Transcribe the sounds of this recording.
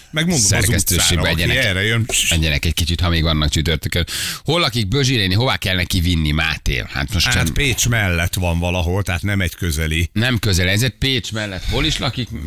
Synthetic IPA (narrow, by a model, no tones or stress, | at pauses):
mɛɡmond̪srzɛst̪øːʃːeːɡbɛɛɟɛnɛɛrɛjønɛɟɛnɛkɛckit͡ʃit̪hɒmeːɡvɒnːɒkt͡ʃyt̪ørt̪økønho̞lːɒkik̚bøʒiɾeːniɦo̞vaːkɛlnɛkivinːima̰ːt̪ḛːlha̰t̪moʃat̪peːt͡ʃmɛlːɛt̪ʋɒɱvɒlɒɦo̞lt̪ɛɦat̪nɛmɛɟkøzɛlinɛmkø̞zɛlɛzɛt̪̚peːt͡ʃmɛlːɛt̪ho̞liʃlɒkik